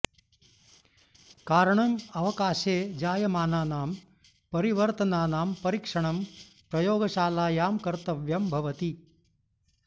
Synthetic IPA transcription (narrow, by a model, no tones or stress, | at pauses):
kaːɾɐɳɐmɐʋɐkaːʃeːd͡ʒaːjɐmaːnaːnaːm | pɐɾiʋɐɾt̪ɐnaːnaːmpɐɾikʂɐɳɐm | pɾɐjoːɡɐʃaːlaːjaːmkɐɾt̪ɐʋjɐmbʱɐʋɐt̪i